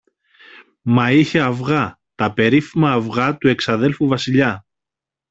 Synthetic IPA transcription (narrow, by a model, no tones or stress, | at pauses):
mɐiçe̞ɐvɣɐ | t̪ɐpe̞ɾifimɐːvɣɐt̪ue̞ksɐðe̞lfuvɐsiʎɐ